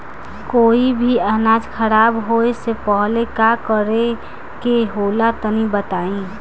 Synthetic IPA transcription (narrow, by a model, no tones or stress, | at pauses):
koːibʱiənad͡ʒkʰəɾaːbɦoesepəɦlekakəɾe | keɦolat̪ənibət̪aːĩ